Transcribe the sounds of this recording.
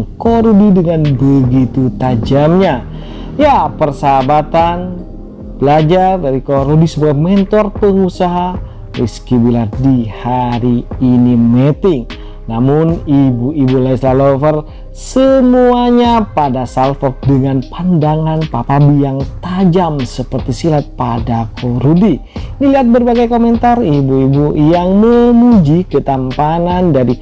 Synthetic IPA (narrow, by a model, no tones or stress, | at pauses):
ŋkɔɾudidəŋanbəɡit̪ut̪ad͡ʒamɲa | japərsabat̪an | b̥əlad͡ʒardaɾikoɾudisəbuamɛnt̪ɔrpəŋusaɦa | miskibilardihaɾiːnimɛt̪ɪŋ | namʊnibuibulaislalofər | səmuaɲapadasalfɔk̚dəŋanpandaŋanpapabijaŋt̪ad͡ʒamsəpərt̪isilat̪̚padakʰoɾudiniliɦat̪̚bərbaɡajkomɛnt̪aribuibujaŋməmud͡ʒikət̪ampanandaɾi